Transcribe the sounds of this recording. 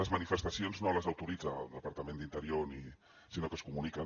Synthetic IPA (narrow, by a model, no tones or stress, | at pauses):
əzmɐnifəst̪əsionznoləzɐwt̪uɾid͡zə̰ːlˠd̪əpɐɾt̪əmẽnd̪int̪əɾioni | sinokəskumunikə